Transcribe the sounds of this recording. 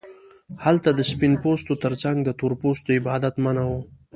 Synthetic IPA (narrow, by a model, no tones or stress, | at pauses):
halt̪ad̪əspinpost̪ot̪əɾt͡saŋɡd̪ət̪oɾpost̪oɪbɑːd̪at̪manawo